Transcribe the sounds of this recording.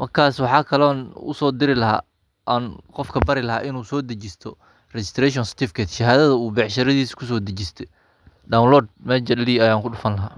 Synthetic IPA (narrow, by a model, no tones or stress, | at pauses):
mɐrkʰaːswɑħɑːkʰɐlɔːnʊ̰sɔːd̪ɪɾɪlɐɦa̰ː | ʔanqɔfkʰɐbɐɾɪlɐɦa̰ːʔɪnuːsɔːd̪ɐt͡ʃɪst̪ʰɔ | rɛt͡ʃɪ̥st̪ʰɾɛːʃ̬ɔnsɪ̥t̪ʰɪfɪkʰɛt̪ʃɐɦaːðɐðɐuːbɛʕʃɐɾɐðiːskʰʊs̬ɔːd̪ɐt͡ʃɪst̪ʰɛ | ɖawnlɔːd̪̚mɛːd͡ʒɐliːɐjaːŋkʰʊɗʊfɐnlɐɦaː